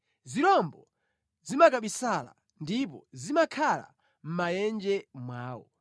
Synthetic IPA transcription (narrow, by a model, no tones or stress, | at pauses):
ziɾɔmbɔ | zimakaɓisala̰ | ndip̬ɔzimakʰala̰ | m̩majɛnd͡ʒɛmwaːwɔ̰